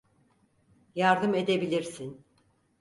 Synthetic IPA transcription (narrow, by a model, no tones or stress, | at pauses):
jaɾd̪ɯme̞d̪e̞bilʲiɾsin